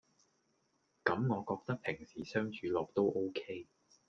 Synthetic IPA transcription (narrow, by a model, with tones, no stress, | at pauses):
kɐ˨˥mŋɔː˨˧kɔː˧k̚t̪ɐ˥k̚pʰɪ˨˩ŋsiː˨˩sœː˥ŋt͡ʃʰyː˨˧lɔː˨k̚t̪o˥wʔo˥wkʰe˥j